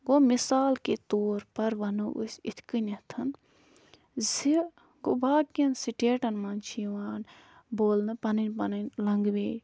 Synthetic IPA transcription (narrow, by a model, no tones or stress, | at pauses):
ɡomisaːlket̪oːɾpɐɾʋɐnuʔṵsʲit̪ʰkɨnɐt̪ʰɐn | zi | ɡobaːʈ̚ɡʲinsiʈeːʈɐnmaːnt͡ʃʰiʋaːn | boːlnɨpɐnɨnpɐnɨnlɐŋɡbeː